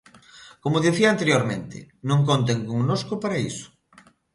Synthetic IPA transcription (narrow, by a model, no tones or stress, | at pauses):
komoðeθiɐant̪eɾjoɾmẽnt̪ɪ̰ | nõŋkont̪eŋkoŋnoskopaɾaisʊ̥